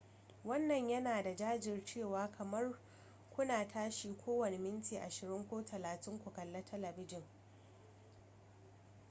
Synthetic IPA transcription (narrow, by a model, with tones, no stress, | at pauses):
wɐ˦nːɐ˨ɲjɐ˦naː˨da˨d͡ʒaː˦d͡ʒɪ˨rt͡ʃeː˦˨waː˨˦kʰɐ˨mɐ˦r | kʷʊ˦naː˨tʰaː˦ʃiː˦kʷʰoː˦wɐ˨ne˨mɪ˦ntiː˨ʔa˨ʃɪ˨ɾɪ˦ŋkʷoː˦tʰɐ˨laː˨tɪ˦ŋkʷʊ˨kɐ˨lːɐ˦tʰɐ˦lɐ˨bɪ˦d͡ʒɪ˨ŋ